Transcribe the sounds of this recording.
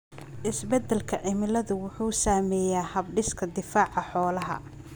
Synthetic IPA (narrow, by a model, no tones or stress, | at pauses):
ʔɪsbɛd̪ɛlkʰɐʔɪmɪlɐðʊwʊħuːsaːmɛːjaːhɐbɖɪskʰɐd̪ɪfaːʕɑħɔːlɐɦɐ̰